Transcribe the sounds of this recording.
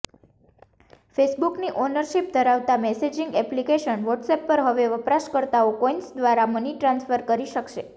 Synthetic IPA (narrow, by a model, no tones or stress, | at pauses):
fesbukniʔonəɾʃip̚d̪ʱəɾaʋt̪amɛsed͡ʒɪŋɡɛplikeʃənʋɔʈsɛpːəɾɦəʋeʋəpɾaʃkəɾt̪aokɔinsd̪ʋaɾaməniʈɾãnsfəɾkəɾiʃəkʃe